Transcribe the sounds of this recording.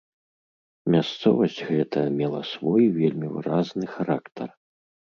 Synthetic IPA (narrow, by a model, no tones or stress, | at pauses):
mʲast̪sɔ̰vɐsʲt͡sʲɣɛt̪ʰɐjɐmʲɛlˠɐ̰svɔjvʲelʲmʲivɨ̰ɾaznɨxaɾakt̪ʰɐr